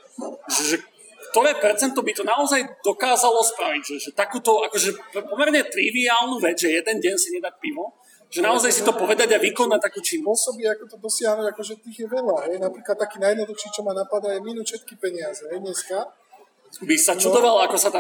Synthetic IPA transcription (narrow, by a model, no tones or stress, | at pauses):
ʒɛʒɛk | kt̪ɔɾɛːpɛɾt͡sɛnt̪ɔbit̪ɔnaɔzajd̪ɔkaːzalɔspɾaʋiɟʒɛʒɛt̪akuːt̪ɔakɔʒɛppɔmɛɾɲɛt̪ɾiʋiaːlˠnuːʋɛd͡zʒɛjɛd̪ɛnɟɛnsiɲɛd̪ac̚pimɔ | ʒ̥ɛnaɔzajsit̪ɔpɔʋɛd̪aɟaʋikɔnac̚t̪akuːt͡ʃinpɔsɔbiakɔt̪ɔd̪ɔsɪaɦnuɟakɔʒɛt̪iɣjɛʋɛʎaɦɛjnapɾiːklat̪ːakiːnajɛd̪nɔd̪uxʃit͡ʃɔmanapad̪aajminuːʃɛt̪̚kipɛɲɪazɛɦɛjɲɛska | bisat͡ʃud̪ɔʋalakɔsat̪a